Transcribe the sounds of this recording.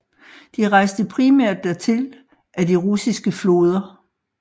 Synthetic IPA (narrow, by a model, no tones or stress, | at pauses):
d̥iʁɑ̈ɪsd̥əpʰʁimæɐ̰d̥ːæɐt͡sʰe̝l | ʔæd̥iʁusisɡ̥əflo̝ːð̞ˠɐ